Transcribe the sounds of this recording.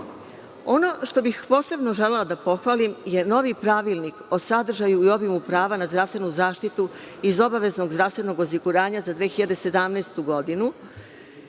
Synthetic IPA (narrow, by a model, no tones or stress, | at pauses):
o̞no̞ʃt̪o̞bixpo̞ːse̞bno̞ʒe̞lelad̪apo̞xʋaːlimje̞no̞ʋipɾaʋilniko̞sad̪r̩ʒajujo̞bimupɾaːʋanazd̪ɾaːʋst̪ʋe̞nuzaːʃt̪it̪u | izo̞baʋe̞zno̞ɡzd̪ɾafst̪e̞no̞ɡosiɡuɾaːɲazad̪ʋeːxiʎad̪e̞se̞d̪amnɛːst̪uɡo̞d̪inu